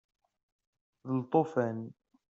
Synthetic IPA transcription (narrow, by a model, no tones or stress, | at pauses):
ðəlt̪ˤofæn